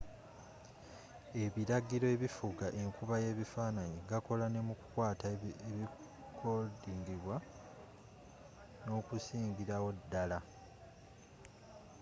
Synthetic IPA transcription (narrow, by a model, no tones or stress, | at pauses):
e̞βiɾaɡiɾo̞e̞βifuɡaʔe̞ŋkuβaje̞ːβifaːnaɲiɡako̞lane̞muku̥kwaːtaeβi | kʰodiːŋɡiβwa | no̞ːkusiːŋɡiɾawo̞dːala